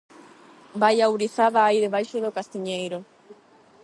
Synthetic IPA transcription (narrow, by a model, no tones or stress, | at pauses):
bajawɾiθaðaːiðeβ̞ajʃoðokast̪iɲejɾo